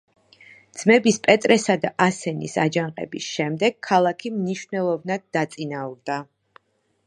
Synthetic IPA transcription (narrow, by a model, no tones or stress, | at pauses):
d̪z̥mɛbispʼɛt̪ʼɾɛsad̪aʔasɛnḭsad͡ʒaɴqʼɛ̰bisʃɛmd̪ɛɡ̥̚kʰːalˠakʰimniʃvnɛlˠɔvnad̪̚ːat̪sʼinauɾd̪a